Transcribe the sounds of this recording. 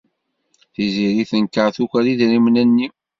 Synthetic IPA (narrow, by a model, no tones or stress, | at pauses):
θiziɾiθənkːəʕθukʷæɾiðɾimnænːi